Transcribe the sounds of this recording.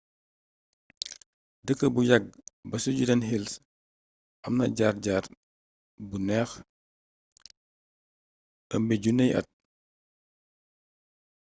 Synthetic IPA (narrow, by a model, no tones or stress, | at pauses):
dəkːəbujɐɡ̚bɐsuɟudɐnɦils | ʔɐmnɐɟaːrɟaːr | bunɛːx | əmbiɟunɛjʔɐ̰t̚